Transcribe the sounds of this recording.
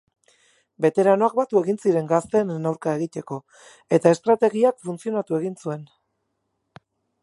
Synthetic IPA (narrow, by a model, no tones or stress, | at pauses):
be̞t̪e̞ɾano̞ak̚bat̪ue̞ɣinsiɾe̞ŋɡast̪e̞nːawɾkae̞ɣit̪e̞ko̞ | e̞t̪ae̞st̪ɾat̪e̞ɣiakfunt͡sio̞nat̪ue̞ɣinsue̞n